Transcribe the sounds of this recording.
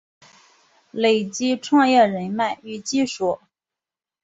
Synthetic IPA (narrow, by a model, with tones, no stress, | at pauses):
le˨˩ɪt͡ɕi˥ʈ͡ʂʰwɑ˥˧ŋjɛ˥˩ɻə˧˥nma˥˩ɪy˥˩t͡ɕi˥ʂɔ˨˩˦